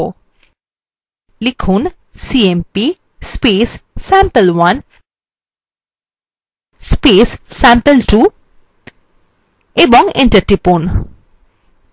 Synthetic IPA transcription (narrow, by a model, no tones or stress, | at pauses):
likʰun | siempi | speːssæ̃mpəlʋɐn | speːssæ̃mpəlʈu | ebɔŋɡẽɳʈəɾʈipun